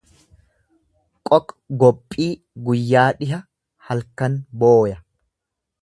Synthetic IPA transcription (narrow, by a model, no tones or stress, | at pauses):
kʼɔkʼ | ɡɔpʼːiː | ɡʊjːaːᶑɪɦɐ | hɐlkɐnboːjɐ